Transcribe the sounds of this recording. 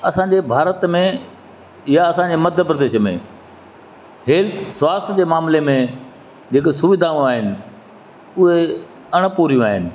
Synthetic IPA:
ɐsãːɲd͡ʑebʱaːɾət̪mẽ | jaɐsãːɲd͡ʑemɐd̪ʱjəpɾəd̪eːʃmḛ̃ | ɦɛːlt̪ʰswaːst̪ʰd͡ʑeːmaːmlemẽ | d͡ʑeːksʊʋɪd̪ʱaũaːɦɪnɪ̆ | ʊɦe | ɐɽ̃puːɾijũaːɦɪnɪ̆

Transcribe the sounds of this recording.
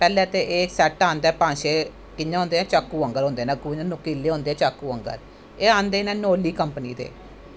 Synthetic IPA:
pɛːlẽːt̪eːʔeːsɛːʈaːnd̪ɛːpãːʃeː | kɪɲãɦõːnd̪eːɛ̃ːt͡ʃaːkːuːə̃ŋɡəɾõːnd̪eːnɛ̃ːkunʊkiːlːeːɦõːnd̪eːɛ̃ːt͡ʃaːkːuːəŋɡə̰ɾ | eːaːnd̪eːnɛ̃ːnoːliːkəmpniːd̪ḛː

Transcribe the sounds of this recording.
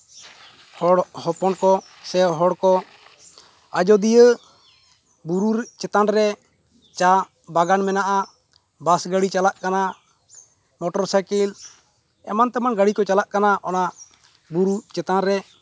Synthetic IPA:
hɔɽhɔpɔnkɔ | sɛɦɔɽkɔ | ad͡ʒɔd̪ijə | buɾuɾɛt͡ʃɛt̪anɾɛ | t͡ʃa | baɡanmɛnaʔa | basɡəɽit͡ʃalaʔkana | mɔʈɔɾsakil | ɛ̰mant̪ɛmanɡaɽikɔt͡ʃalaʔkanaʔɔna | buɾut͡ʃɛt̪anɾɛ

